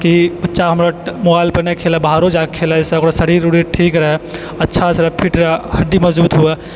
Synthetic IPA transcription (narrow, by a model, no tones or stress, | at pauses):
kibɐtːʃʰaɦɐmɾamʊbaːɪlpənekʰeːlabaːɾod͡ʒakkʰeːlaɛseokɾasəɽ̤iɾuɽiʈʰiːkɾɐɦɛ | ɐtːʃʰasɾapʰiʈɾahɐɖimɐzd͡ʒuːt̪ɦua